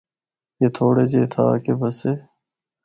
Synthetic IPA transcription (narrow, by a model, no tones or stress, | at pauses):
jeːt̪ʰoːɽed͡ʑeːt̪ʰa̰ːkebɐseː